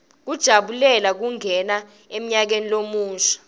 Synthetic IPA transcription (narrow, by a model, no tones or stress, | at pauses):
k̬ud̥ʒ̥ʱaɓulɛlak̬uŋʱɛna | em̩ɲak̬enilomuːʃḁ